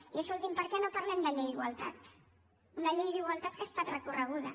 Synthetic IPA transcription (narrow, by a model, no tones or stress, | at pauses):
iəsolt̪impəɾkɛnopaɾlɛmd̪əʎejiɣwalt̪a̰t̪ | unaʎejðiɣwalˠt̪at̪kaest̪at̪rəkurəɣ̞uð̞ə̰